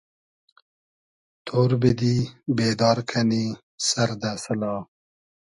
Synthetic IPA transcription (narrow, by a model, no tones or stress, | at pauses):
t̪ʰoːɾbed̪ibeːd̪ɑːɾkʰani | saɾd̪asəlɑ